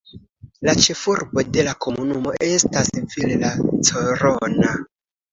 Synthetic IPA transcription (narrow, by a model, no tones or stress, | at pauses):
lat͡ʃe̞fuɾbo̞de̞lako̞munumo̞̰ʔestasinfillat͡soɾona